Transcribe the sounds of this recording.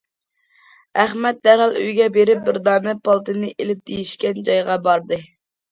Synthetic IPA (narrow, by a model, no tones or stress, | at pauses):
æχmɛt̪̚d̪æɾɦɑlˠy̰jɡʲɛbeɾɪp̚bɪɾd̪ɑːnɨpɑlˠt̪ɨnɨʔelɪp̚d̪̥ejiʃkʲɛnd͡ʒɑjʁɑbɑɾd̪ɨ